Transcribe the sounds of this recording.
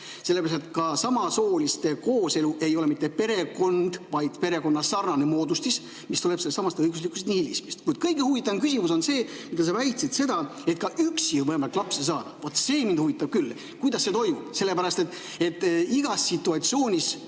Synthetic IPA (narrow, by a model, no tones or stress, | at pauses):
se̞lːeæɾɑst̪et̪kɑsɑmɑso̞ːlist̪e̞koːse̞luʔe̞jo̞le̞mit̪ːe̞pe̞ɾe̞ko̞nd̪̥vɑjd̪pe̞ɾe̞ko̞nːɑsɑrnɑnemo̞ːd̪ust̪is | mist̪ule̞pseːesɑmɑst̪eɤjɡuslikːˑust̪nihilʲismist̪kujd̪̥̚kɤjɡ̥ehuvit̪ːˑɑmkysʲimuso̞nse̞ːmid̪ɑs̬ɑvæjt̪sit̪se̞d̪ɑe̞t̪̚kɑʔyksimɤemɑlklɑpsesɑːd̪̥vot̪ːse̞ːmin̥huvit̪ːˑɑb̥̚kylː | kujd̪ɑsːet̪o̞jmub̥se̞lːe̞pæɾɑst̪e̞t̪ː | e̞t̪ːˑiɡ̥ɑsːit̪ːˑuɑt̪sio̞ːnʲis